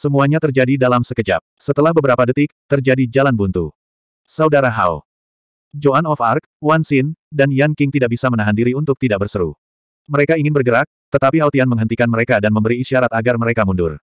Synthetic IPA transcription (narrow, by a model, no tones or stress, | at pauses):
səmuaɲat̪ərd͡ʒadidalamsəkəd͡ʒa̰p̚sət̪əlahbəbəɾapadət̪ɪk̚t̪ərd͡ʒadid͡ʒalanbunt̪u | saudaɾaɦa̰w | d͡ʒoʔanɔfark̚ | wansɪndanjankɪŋt̪idaʔ̚bisamənaɦandiɾiunt̪ʊk̚t̪idaʔ̚bərsəɾṵ | məɾekaiŋɪnbərɡəɾak̚t̪ət̪apiɦawt̪ianməŋɦənt̪ikanməɾekadanməmbəɾiːʃiaɾat̪aɡarməɾekamundʊ̰r